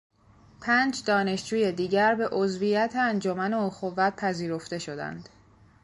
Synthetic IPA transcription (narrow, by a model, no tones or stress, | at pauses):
pʰæːnd͡ʒd̪ɒːne̞ʃd͡ʒuːje̞d̪iːɟæɾbe̞ʔozvijæt̪ʰeænd͡ʒo̞mæneoxovːæt̪̚pʰæziːɾo̞ft̪e̞ʃo̞d̪æ̰nd̪̥